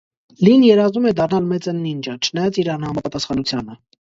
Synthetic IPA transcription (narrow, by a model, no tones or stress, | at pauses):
linjɛɾɑzumɛd̪ɑrnɑlmɛt͡sənːind͡ʒət͡ʃʰənɑjɑt͡siɾɑnhɑmɑpɑt̪ɑsχɑnut͡sʰjɑnə